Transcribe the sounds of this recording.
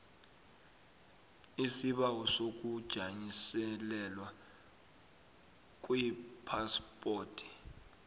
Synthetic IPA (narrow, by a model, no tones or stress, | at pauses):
isiɓawɔsok̬ud̥ʒ̥ʱaɲisɛlɛlwa | k̬ʼwipʰaspʼoːtʰi̥